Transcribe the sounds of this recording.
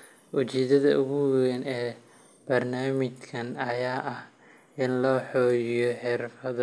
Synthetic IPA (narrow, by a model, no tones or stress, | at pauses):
wʊt͡ʃɛːd̪ɐðɐʔʊɣuːɣɛnɛː | b̥ɐrnaːmɪt͡ʃkʰɐnɐjaːʔɐh | ʔɪnlɔːħɔːjɪjɔħɛɾfɐðɐ